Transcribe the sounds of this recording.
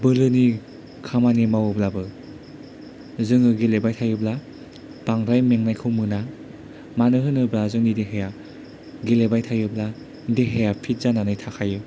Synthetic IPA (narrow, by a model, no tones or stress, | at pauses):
bɯlɯni | kʰamanimawɯblabɯ | zɯŋɯɡelebajtʰajɯbla | b̥aŋɾajmeŋnajkʰɯwmɯna | manɯɦɯnɯbɾazɯŋnideɦeja | ɡelebajtʰajɯbla | deɦejapʰit̚zananɯjtʰakʰajɯ